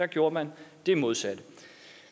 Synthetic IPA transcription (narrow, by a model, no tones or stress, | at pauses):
æɡ̥jo̝ːɐmænd̥e̝mo̝ð̞ˠsæd̥ə